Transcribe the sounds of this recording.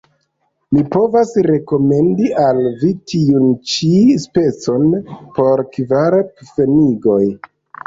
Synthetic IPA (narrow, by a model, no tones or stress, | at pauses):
mipo̞vasɾe̞ko̞me̞ndiʔalvitʰiunt͡ʃispe̞t͡so̞npo̞ɾkvaɾpfeniɡo̞j